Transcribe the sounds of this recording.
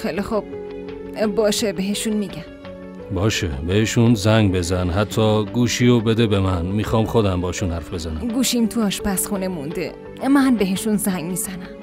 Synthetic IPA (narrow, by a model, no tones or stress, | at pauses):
xelixub̥̚ | bɒːʃebeɦeʃunmiɟæm | bɒːʃebeheʃunzæŋɡbe̞zænɦæt̪ʰːɒːɡuːʃiːobed̪ebemænmixɒːmχod̪æmbɒːʃunhæɾfbe̞zænæmɡuʃint̪ʰuɒːʃpæsxunemund̪ḛ | mænbeɦeʃunzæŋɡmizænæm